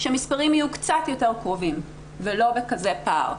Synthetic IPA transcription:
ʃemispaʁimhajukt͡satjo̞te̞ʁkʁovim | velo̞bekaze̞pa̰ʁ

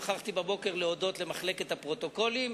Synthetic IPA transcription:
χaχt̪ibabo̞keʁleo̞do̞t̪lemaχle̞ke̞t̪hapʁo̞t̪o̞ko̞lim

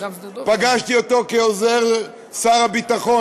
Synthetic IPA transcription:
paɡaʃt̪iot̪o̞keozeʁ | saʁabit̪aχo

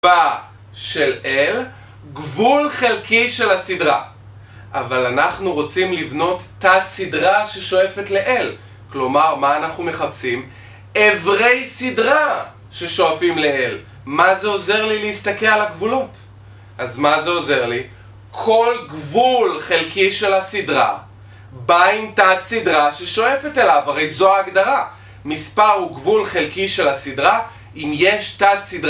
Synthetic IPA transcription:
a | ʃe̞lʔel | ɡvulχelkiʃe̞lasidʁa | ʔavalanaχnuʁot͡simlivno̞tːatsidʁaʃeʃo̞e̞fe̞tleʔel | klo̞maʁmaːnaχnume̞χapsim | evʁe̞jsidʁa | ʃe̞ʃo̞afimleel | mazeoze̞ʁlileist̪akelalaɡvulot | ʔazmazeoze̞ʁli | kʰo̞lɡvulχelkiʃe̞lhasidʁa̰ | baimtatsidʁaʃeʃo̞efetelavaʁe̞jzo̞aːɡdaʁa | mispaʁuɡvulχelkiʃe̞lasidʁa | imje̞ʃtatsidʁ

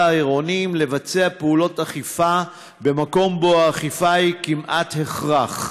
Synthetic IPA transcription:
aiʁo̞nimle̞vat͡se̞apeulo̞taχifa | be̞mako̞mboaːχifakimʔathe̞χʁaχ

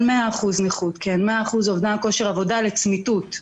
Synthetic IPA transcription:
meaːχuzneχut̪kʰenmeaːχuzo̞vdako̞ʃeʁavo̞dalet͡smitut̪

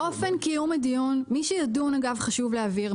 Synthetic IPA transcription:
ʔo̞fenkijumedijunmiʃejadunaɡavχaʃuvleaviʁ

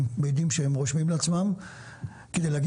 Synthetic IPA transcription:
mbed̪imʃehemʁoʃmimleat͡smam | ked̪ejleaɡ

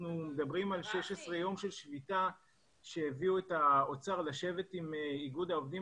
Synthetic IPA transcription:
numed̪abʁimalʃe̞ʃesʁe̞jo̞mʃe̞lʃvita | ʃe̞heviue̞taot͡saʁlaʃe̞ve̞timiɡudaovd̪i

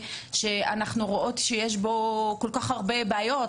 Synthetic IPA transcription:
ʃe̞anaχnuʁoʔo̞t̪ʃejeʃ̬bo̞ko̞lkaχhaʁbe̞beajo̞t

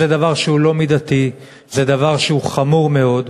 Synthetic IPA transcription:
ed̪avaʁʃeulo̞mid̪at̪i | zed̪avaʁʃeuχamuʁme̞o̞d̪

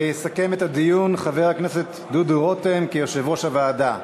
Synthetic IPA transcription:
jesake̞met̪ad̪ijunχave̞ʁakneset̪ | d̪ud̪uʁot̪emkijoʃevoʃavaːd̪a

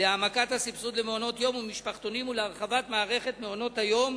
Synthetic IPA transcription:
leamakathasipsud̪lemeono̞t̪jo̞mumiʃpaχt̪o̞nimuleaʁχavat̪maːʁe̞χe̞tmeo̞no̞thajo̞m

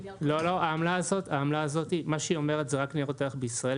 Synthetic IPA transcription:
lo̞lo̞aamlaːzo̞t̪aːmlaːzo̞t̪imaʃeio̞meʁet̪zeʁakniʁot̪eaχbeisʁae

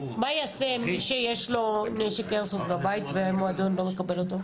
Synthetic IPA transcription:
majasemʃejeʃlo̞neʃekeʁsuflabait̪vemoad̪onlo̞mekabe̞lo̞t̪o̞

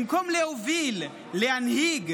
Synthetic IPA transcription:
ŋkʰomuleuvilɛ | lɛanɦiːɡ

